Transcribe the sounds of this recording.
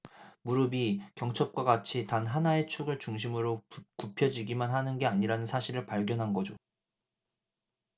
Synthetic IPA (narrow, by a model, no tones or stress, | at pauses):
muɾɯbikjʌŋt͡ɕʰʌp̚k͈waɡat͡ɕʰitanɦanae̞t͡ɕʰuɡɯɭt͡ɕuŋɕ̬ʰimɯɾokupʰjʌd͡ʑiɡimanɦanɯnɡe̞aɲiɾanɯnsʰaɕʰiɾɯɭpaɭɡjʌnɦanɡʌd͡ʑo